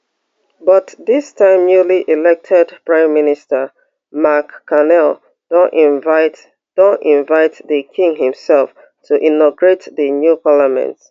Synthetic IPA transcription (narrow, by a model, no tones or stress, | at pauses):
bʌtðɪstʰãɪ̃mnjuliʔilɛk̚tʰɛdpɹãɪ̃mːɪnɪstə | makʰːanɛl | d̥ɔʔivaɪt | d̥ɔnĩɱvaɪtðəkʰĩŋhĩmsɛlf | tʰuʔĩnɔɡɹetðənjupʰalamɛ̰̃nt